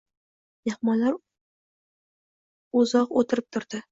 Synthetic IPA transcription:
j̪ehmɒlaɾ | ʊzɒqot̪ʰɪɾɪp̚t̪ʰʊɾd̪̥ɪ

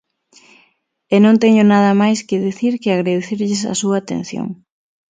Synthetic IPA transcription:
enõnt̪ɛɲʊnaðɐmajskɪðiθiɾkɪaɣɾaðeθiɾʎɪsɐ̰suɐːt̪ḛ̃n̟θjo̰ŋ

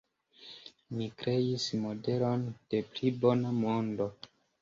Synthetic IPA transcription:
mikɾe̞ismo̞de̞lo̞nd̥e̞plibo̞namo̞ndo̞

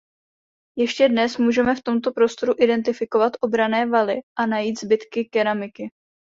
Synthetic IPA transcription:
jɛʃcɛdnɛsmuːʒɛmɛft̪o̞mt̪o̞pɾo̞st̪o̞ɾuʔɪdɛnt̪ɪfɪko̞vat̪ʔo̞bɾanɛːvalɪʔanajiːt̪zbɪt̪kɪkɛɾamɪkɪ

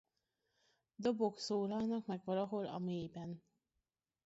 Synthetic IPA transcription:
d̪o̞bo̞ksoːlɒlnɒkmɛɡʋɒlɒɦo̞lɒ̰meːbɛn

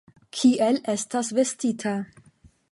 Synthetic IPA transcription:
kʰiʔelestasvestitʰa

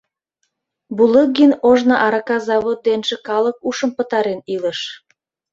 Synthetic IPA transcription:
bulək̚ɡinoʒnɑʔɑɾɑkɑzɑβot̪̚d̪enʒĕkɑlək̚uʃəmpət̪ɑɾeniləʃ

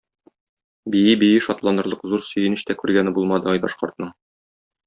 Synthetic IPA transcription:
bijɘbijɘʃɒt̪lˠɑnɤ̆ɾlˠɤqzuɾsɵ̆jɘ̆nɘ̆ɕt̪ækʉɾɡænɘbulˠmɑd̪ɤɒjbɒ̰ʃqŏɾt̪̚nɤɴ

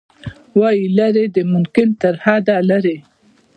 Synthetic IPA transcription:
wɑjilaɾed̪əmʊmkɪnt̪aɾhad̪alaɾe

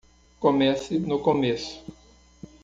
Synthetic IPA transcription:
komɛsɪnʊkomesʊ̥

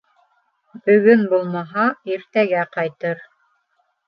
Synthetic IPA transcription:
bɵ̆ɡɵnbulˠmɑɦɑiɾt̪æɡæqɑjt̪ɤɾ

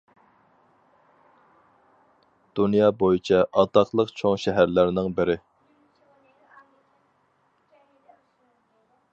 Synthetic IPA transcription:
d̪̥unjɑːbojit͡ʃʰɛʔɑt̪ɑqlˠəqt͡ʃʰoŋʃɛɦæɾlæɾnɪŋbɪɾɪ

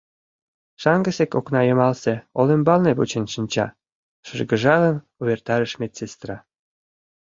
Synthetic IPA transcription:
ʃɑŋɡə̆sekoknɑjəmɑlsĕolembɑlneβut͡ɕənʃənʲt͡ɕɑ̰ | ʃərɡə̆ʒɑlən | uβert̪ɑɾəʃmet͡sest̪rɑ

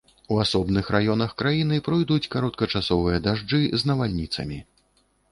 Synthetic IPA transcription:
uasɔbnɨxɾajɔnɐxkɾajinɨpɾɨjd̪ut͡sʲkaɾɔt̪̚kɐt͡ʂasɔvɨjɐd̪aʐd͡ʐɨznɐvalʲnʲit̪sɐ̰mʲi

